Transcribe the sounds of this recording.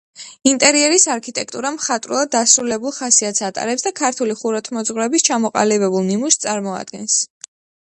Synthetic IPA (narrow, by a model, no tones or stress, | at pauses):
int̪ʼɛɾiɛɾisaɾkʰit̪ʼɛk̚ʰʼt̪ʼuɾamχat̪ʼɾulˠad̪ːasɾulɛbulˠχasiat̪sʰat̪ʼa̰ɾɛpsd̪akʰaɾt̪ʰuliχuɾɔt̪ʰmɔd̪zʁwɾɛbist͡ʃʰamɔqʼa̰libɛbulˠnimust̪sʼaɾmɔa̰d̪̚ɡɛns